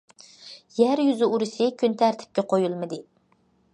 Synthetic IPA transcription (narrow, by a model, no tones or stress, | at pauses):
jæɾjyzɪuɾɨsɨkʲʰynt̪ʰæɾt̪ʰɪ̥p̚kʲɛqʰojulˠmɨd̪ɨ